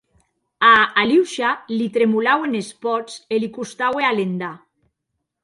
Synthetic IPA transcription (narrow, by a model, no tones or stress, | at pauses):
aːliwʃalit̪ɾemulawenespɔt͡selikust̪awealend̪a